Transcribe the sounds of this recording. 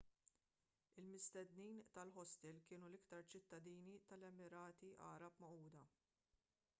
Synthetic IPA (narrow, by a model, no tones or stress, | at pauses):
ɪlmɪst̪ɛd̪niːnt̪ɐlħɔst̪ɛlkɪːnulɪkt̪ɐɾt͡ʃɪt̪ːɐd̪iːnit̪ɐlɛmɪɾɐːt̪iʔɐ̰ːɾɐpmɐʔuːd̪ɐ